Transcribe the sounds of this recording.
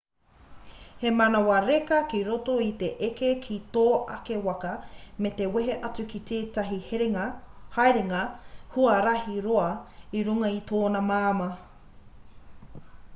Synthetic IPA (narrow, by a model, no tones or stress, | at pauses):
hemɐnɐwɐɾekɐkiɾotoit̪e̞ʔekekʰit̪oːʔɐke̞wɐkɐmet̪e̞weɦeʔɐt͡sukit̪ʰeːtɐɦi | haeɾeŋɐhuɐɾɐhiɾoɐiɾuŋɐit̪oːnɐmaːmɐ